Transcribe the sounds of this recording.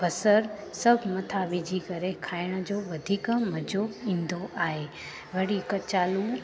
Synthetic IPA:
bɐsəɾ | sɐbʱmɐt̪ʰaʋid͡ʑikɐɾekʰaːɪɽ̃ə̆d͡ʑoːʋɐd̪ʱiːkmɐd͡ʑoĩːnd̪oʔaːɦe | ʋɐɽikət͡ɕaːlu

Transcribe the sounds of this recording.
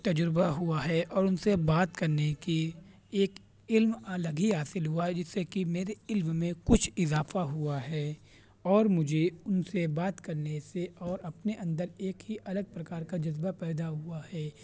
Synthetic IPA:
t̪ɐd͡ʒɾbaɦuaɦɛʔɔːɾʊnsebaːt̪kɐɾneki | eːk | ɪlmləɡiɦaːsɪlɦuaɦɛd͡ʒɪsːekimeːɾeɪlmmẽkʊt͡ʃʰɪzaːfaɦuaɦɛː | ɔːɾmʊd͡ʒʱeʊnsebaːt̪kɐɾneseɔːɾɐpneʔɐ̃nd̪əɾeːkɦiʔɐləɡ̚pɾɐkaːɾkad͡ʒɐzbapɛːd̪aɦuahɛː

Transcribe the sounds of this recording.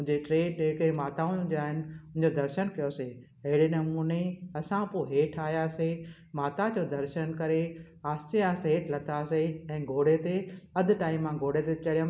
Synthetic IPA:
ʊ̃ɦɪ̃ɲd͡ʑeʈɾeːɖɦɪkemaːt̪aʊ̃d͡ʑoaːɦɪnɪ̆ʊ̃ɪ̃ɲd͡ʑod̪ɐɾʃənkɐjose | ɐɦɪɽinɐmuːneɐsãpoːɦeːʈʰaːɦjase | maːt̪ad͡ʑoːd̪ɐɾʃənkɐɾe | aːst̪iaːsteːʈʰlɐt̪aseɛ̃ːɡʱoːɽet̪eɐd̪ʱʈaːɪmːãɡʱoːɽet̪et͡ɕɐɽijə̃m

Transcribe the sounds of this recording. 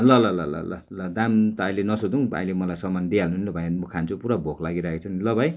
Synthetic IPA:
lʌlʌlʌlʌ̰lʌ̰lʌd̪amt̪ʌajlenʌsod̪uũa̰jlemʌlajsʌmand̪ialnunlʌbʱʌjmʌkʰant͡sʰupuɾabʱokʰlaɡiɾakʰet͡sʰʌnilʌbʱaj

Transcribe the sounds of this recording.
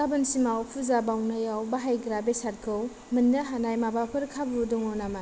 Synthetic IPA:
abɯnsimawpʰuzabawnajawbaɦajɡɾabesat̚kʰɯw | mɯnːɯɦanajmabapʰɯɾkʰabudɔŋɔnama

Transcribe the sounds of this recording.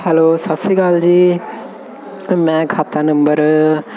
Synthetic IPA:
hɛloːsasiɡaːld͡ʑiː | mɛ̃kʰaːt̪anə̃mbəɾ

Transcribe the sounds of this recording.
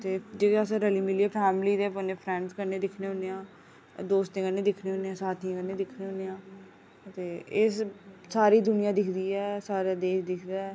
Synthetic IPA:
t̪eːd͡ʒeːasãɾəliːmɪliɛːpʰɛːmliːd̪eːpəneːpʰɾɛ̃ːɳɖskəɾneːd̪ɪkʰneːɦõneãː | d̪oːst̪ẽːkənːeːd̪ɪkʰneːɦoːnːeːãːsaːt̪ʰiãːkəɾneːd̪ɪkʰneːoːnːeːãː | t̪eːɪssaːɾiːd̪ʊnɪjãːd̪ɪkʰd̪iːɛːsaːɾaːd̪eːʃd̪ɪkʰd̪aːɛ

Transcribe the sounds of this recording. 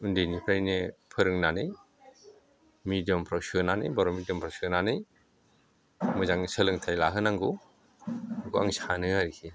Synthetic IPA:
undenipʰɾajnepʰɯɾɯŋnanɯj | midiɔmpʰɾɔwsɯnanɯ̰jbɔɾɔmidjɔmpʰɾɔwsɯnanɯj | mɯzaŋsɯlɯŋtʰajlaɦɯnaŋɡu | ɡua̰ŋsanɯaɾikʰi

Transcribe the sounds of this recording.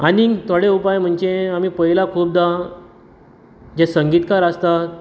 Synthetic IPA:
anit̪ʰaɽeupajm̤əɳd͡ʑeamiːpəɦilakʰuːp̚d̪a | d͡ʑasəŋɡiːt̪kaɾəst̪a

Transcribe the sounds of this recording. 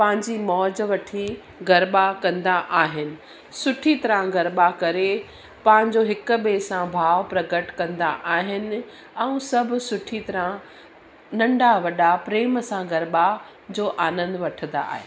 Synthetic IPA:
pɐ̃ɦɪ̃ɲd͡ʑimɔːd͡ʑʋɐʈʰi | ɡɐɾɓakɐ̃nd̪aʔaːɦɪnɪ̆ | sʊʈʰit̪ɐɾãɡɐɾɓakɐɾe | pɐ̃ɦɪ̃ɲd͡ʑoɦɪkʊ̆ɓesãbʱaːʋpɾɐɡəʈkɐ̃nd̪aʔaːɦɪnɪ̆ | ɛ̃ũsɐbʱʊ̆sʊʈʰit̪ɐɾã | nɐ̃ɳɖaʋɐɗapɾeːmsãɡɐɾɓa | d͡ʑoːʔaːnə̃nd̪ʋɐʈʰə̃nd̪a̰ːɦḛː

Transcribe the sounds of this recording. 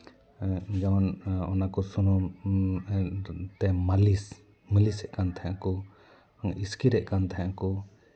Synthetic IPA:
d͡ʒawanɔnakɔsunɔ | t̪ɛmalis | məlisɛʔkant̪ʰaɦakɔ | iskiɾɛʔkant̪ʰaɦɛ̃akɔ

